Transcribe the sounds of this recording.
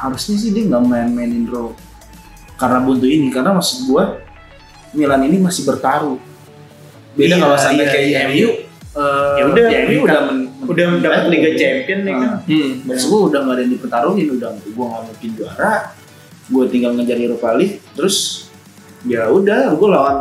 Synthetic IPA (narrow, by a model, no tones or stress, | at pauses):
haɾusɲas̬ɪhdiaŋɡaʔmanmaɪnɪnro | karənabunt̪uinikaɾnamasɪ̥ɡua | milaaninimasɪhbərt̪aɾu | bedakawasapakajajuəjaudaamuudahmənməudadaət̪liɡat͡ʃɛmpiənːɛabasɡuaudahŋɡadajandipənt̪aɾuɦɪnudahɡuaŋɡaʔmuŋkɪnd͡ʒua̰ɾa | ɡuat̪iŋɡalmŋad͡ʒaɾiɾupalit̪əɾʊs | d͡ʒaɾaudaɡualawan